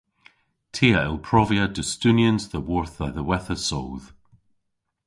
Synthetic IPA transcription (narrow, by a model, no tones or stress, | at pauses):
tʰeəɪlˠpʰɹ̥ɔviədʉstʉnjə̃nzðəwɔɹθəðəwɛθəsɔːð̥